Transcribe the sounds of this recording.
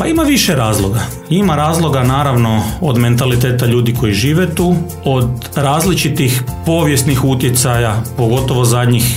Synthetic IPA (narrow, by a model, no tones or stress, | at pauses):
paimaʋiʃeɾaːzlˠo̞ɡa | imaɾaːzlˠo̞ɡanaːɾaʋno̞od̪me̞nt̪alit̪eːt̪aʎuːd̪iko̞jiʒiːʋet̪uː | od̪ | ɾaːzlit͡ʃit̪ixpo̞ːʋjest̪nixut̪jet̪sajapo̞ɡo̞t̪o̞ʋo̞zad̪ɲix